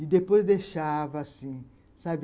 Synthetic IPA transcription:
id̪epojzd̪eʃavɐasĩ | sabɪ

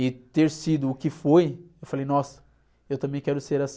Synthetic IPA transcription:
ɪt̪eɾsid̪ʊːkɪfojewfalejnɔsɐ̥ | ewt̪ɐ̃mbẽj̃kɛɾʊseɾas

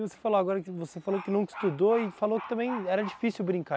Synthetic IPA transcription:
ɪvose̥faloaɡɔɾɐkɪvosefalokɪnɐ̃w̃ɪ̥st̪ud̪oɪfalokɪ̥t̪ɐ̃mbẽj̃ɛɾɐd͡ʒifisiwbɾĩŋka

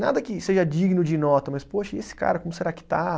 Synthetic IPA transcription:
na̰d̪ɐkɪseʒɐd͡ʒiɡnʊd͡ʒɪnɔt̪ɐmɐspoʃɐesɪ̥ka̰ɾɐkõmʊseɾakɪ̥t̪a

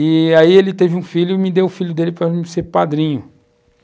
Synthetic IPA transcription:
ɪaielɪt̪evɪũfiʎʊɪmɪd̪ewʊfiʎʊd̪elɪpɾɐmɪsepad̪ɾĩɲʊ

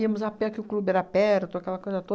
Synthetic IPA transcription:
iɐmʊzapẽɐkɪʊklubɪɛɾɐapɛɾt̪ʊakɛlɐkojzɐt̪o

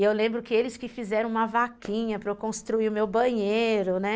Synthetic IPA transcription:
ewlẽmbɾʊkɪelɪskɪfizɛɾɐ̃ũmɐvakĩɲɐpɾɐkõst̪ɾuiʊmewbɐ̃ɲeɾʊnɛ

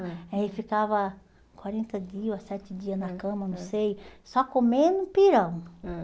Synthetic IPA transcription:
ɛifikavɐ | kwaɾẽnt̪ɐdiɐsɛt͡ʃ̪ɪd͡ʒiɐznɐkɐ̃mɐnɐ̃w̃sejsɔkomẽnʊ̃piɾɐ̃w̃

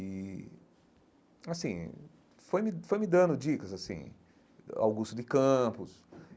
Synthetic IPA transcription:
i | asḭ̃ | fojmɪfojmɪd̪ɐ̃nd̪ʊd͡ʒikɐzasḭ̃ | a̰wɡust̪ʊd̪ɪkɐ̃pʊs

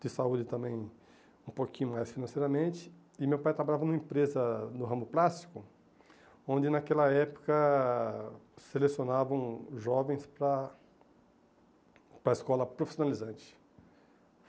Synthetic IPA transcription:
d̪ɪsaud͡ʒɪt̪ɐ̃mẽj̃ | ũpokĩɲʊmajsfinɐ̃sejɾɐmẽnt͡ʃɪ̥ | ɪmewpajt̪ɾabaʎavɐnumɐẽpɾezɐnʊɦɐ̃mʊplast͡ʃi̥kʊ | õnd͡ʒɪnakɛlɐɛpʊ̥kɐ | selesijonavɐ̃w̃ʒɔvẽj̃spɾɐ | pɾɐiskɔlɐpɾofi̥sjonalizɐ̃nt͡ʃɪ̥

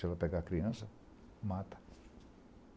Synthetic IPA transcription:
ɛlɐpeɡakɾiɐ̃sɐ | mat̪ɐ̥

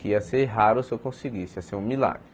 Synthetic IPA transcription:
kɪiɐseɾɦaɾʊsewkõsiɡisɪɐseɾũmila̰ɡɾɪ

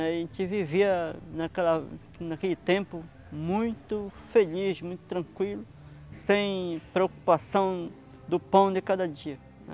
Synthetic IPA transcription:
ʒẽnt͡ʃ̪ɪviviɐnakɛlɐ | nakelɪt̪ẽmpʊ | mũj̃t̪ʊfeliʃmũj̃t̪ʊ̥t̪ɾɐ̃ŋkwilʊ | sẽj̃pɾeoku̥pasɐ̃w̃ | d̪ʊpɐ̃w̃d̪ɪkad̪ɐd͡ʒiɐ̰

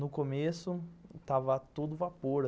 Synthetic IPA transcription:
nʊkomesʊt̪avɐt̪ud̪ʊvapoɾ

